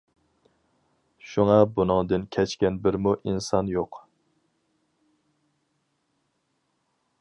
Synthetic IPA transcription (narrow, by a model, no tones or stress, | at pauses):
ʃuŋɑbunɨŋd̪ɨnkʲʰɛt͡ʃkʲɛnbɪɾmuʔinsɑnjoq